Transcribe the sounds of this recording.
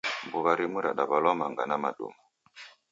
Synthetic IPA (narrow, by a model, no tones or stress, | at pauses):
mbuβaɾimuɾaɗaβalɔmaŋɡanamaɗṵmɔ